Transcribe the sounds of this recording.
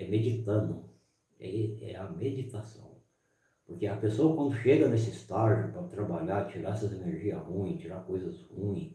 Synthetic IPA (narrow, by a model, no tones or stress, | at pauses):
ɛmed͡ʒit̪ɐ̃nʊ | ḛiɛ̰ɐmed͡ʒit̪asɐ̰̃w̃ | poɾkeɐpesoɐkwɐ̃nd̪ʊʃeɡɐnesɪst̪ad͡ʒʊpɐt̪ɾabaʎaɾt͡ʃiɾaɛsɐzeneɾʒiɐhũĩt͡ʃiɾakojzɐshũĩ